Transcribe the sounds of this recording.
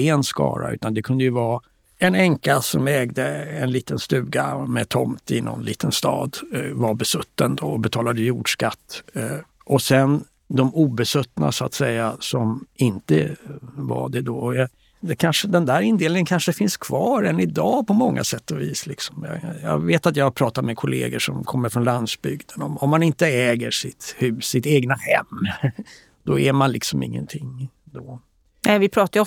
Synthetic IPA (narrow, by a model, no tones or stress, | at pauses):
ɪɛnskɑ̰ːɾa̰ʔʉ̟ːt̪and̪ɛkʰɵnd̪əjɵvɑː | ɛnɛŋkasɔmɛːɡd̪əɛnliːt̪ənst̪ʉ̟ːɡamɛt̪ʰɔmt̪ɪnɔ̰nlḭːt̪ənst̪ɑ̰ːd̪vaɾbɛsɵt̪ːənd̪oɔbɛt̪ʰɑːlad̪əjuːɖʂkat̪ː | ʔɔsɛn | d̪ɔmuːbɛsɵt̪ːna̰sʊat̪sɛjːasɔmɪnt̪əva̰ɖɛd̪oːɔjɑ | d̪ɛkʰanʂəd̪ɛnd̪æːɾɪnd̪eːlɪŋənkʰanʂəɛfɪnskʰvɑːɾɛnɪd̪ɑːpʰɔmɔŋːa̰sɛt̪ːɔviːslɪksɔ̥mjɑ̰jɑ̰ːveːt̪at̪jɑhaɾpʰɾɑːt̪at̪mɛkʰʊlḛːɡəʂɔ̰mkʰɔmːəɾfɾɔnland̪sbʏɡd̪ənɔmɔmːanɪnt̪əɛːɡəʂɪt̪hʉ̟ːsːɪt̪eːɡnahɛ̰mː | d̪̥ɔæɾmanlɪksɔmɪ̰ŋːə̰nt̪ʰɪŋd̪o | nɛvɪpʰɾɑːt̪a